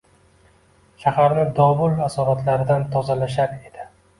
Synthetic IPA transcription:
ʃahaɾnɪd̪ɒbʊlˠasɒɾat̪ʰlaɾɪd̪ant̪ʰɒzalaʃaɾe̞d̪̥ɪ

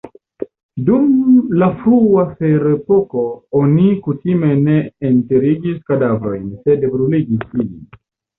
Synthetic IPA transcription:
dumlafɾuafeɾepoko̞onikutime̞ne̞ːnteɾiɡiskadavɾo̞jnse̞debɾuliɡisiḭn

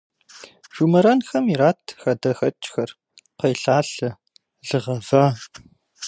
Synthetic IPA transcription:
ʒ̥umɐɾɐnxɐmiraːtʰxɐdɐxɐt͡ʃʼxɐr | qɐjɬaːɬɨ | ɮɨʁɐv̥ɐ

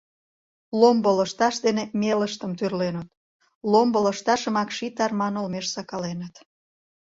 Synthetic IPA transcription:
lomboləʃt̪ɑʃd̪enemeləʃt̪əmt̪yrlenət̪̚ | lombələʃt̪ɑʃəmɑkʃit̪ɑrmɑnolmeʃsɑkɑlenət̪

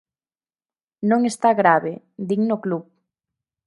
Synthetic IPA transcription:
nõŋest̪aɣɾaβe | d̪iŋnoklup

